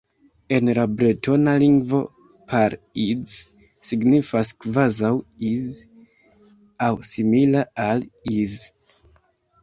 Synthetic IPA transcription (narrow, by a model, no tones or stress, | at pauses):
e̞nlabɾetʰo̞naliŋɡvo̞̰ | pʰaɾiz | siɡnifaskvazawiz | awsimilaaliz